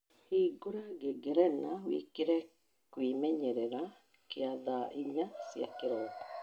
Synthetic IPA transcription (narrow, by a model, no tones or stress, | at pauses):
hiɡoɾaɡeɡɛɾɛnawḛkeɾɛ | kwimɛɲɛɾɛɾa | keaðaʔiɲasja̰keɾɔːtḁ